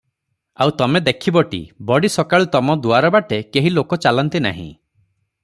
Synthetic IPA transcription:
a̰wt̪ɔmed̪ekʰibɔʈḭbɔɽisɔkaɭut̪ɔmɔd̪uaɾɔbaʈekeɦilokɔt͡ʃalɔnt̪ina̰ɦḭ̃

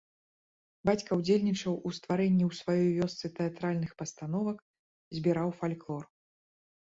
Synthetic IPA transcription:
bat͡sʲkɐwd͡zʲelʲnʲit͡ʂɐwust̪vaɾɛnʲːiwsvajɔjvʲɔst̪sɨt̪ɛat̪ɾalʲnɨxpɐst̪anɔvɐk | zʲbʲiɾawfalʲklˠɔr

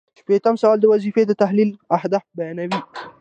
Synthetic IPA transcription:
ʃpet̪amsawald̪əwazifed̪ət̪aɦlilahd̪afbajɑnawi

